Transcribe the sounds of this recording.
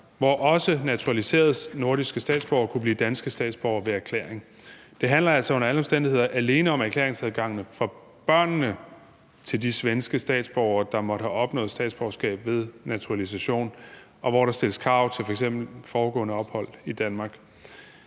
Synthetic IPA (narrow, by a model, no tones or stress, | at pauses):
ʋɒʔɒ̽sənæt͡sʰuʁælise̝̰ːɐð̞ˠno̝ɐɾ̥isɡ̥əsd̥ɛ̰ːd̥sb̥ɒʊɐkʰub̥lḭːd̥ænsɡ̥əsd̥ɛ̰ːd̥sb̥ɒʊɐʋe̝æɐkʰlḛːɐeŋ | d̥e̝ɦænlɐælsɒ̽o̽nɐæləɒ̽msd̥end̥ihe̝ð̞̰ˠɐʔæle̝ːnəɒ̽mæɐkʰlḛːɐeŋsæð̞ˠɡ̥ɑ̈ŋ̰nəfʁɒ | b̥ɶɐ̰nːə | t͡sʰe̝ld̥isʋensɡ̥əsd̥ɛ̰ːd̥sb̥ɒʊɐd̥ɑ̈mɒ̽ɾ̥əhæɒ̽b̥nɔ̰̽ːð̩ˠsd̥ɛ̰ːd̥sb̥ɒʊɐsɡ̥ɛ̰ːb̥ʋe̝ð̞ˠnæt͡sʰuʁælis̬æɕo̝̰ːn | ʔɒ̽ʋɒɾ̥ɑ̈sd̥e̝ləskʰʁɑ̈ʊt͡sʰe̝fɒeɡsem̰b̥l̩fɒːɡ̥ɔ̰̽ːnəɒ̽b̥hɒ̽l̰id̥ænmɑ̈ːɡ̥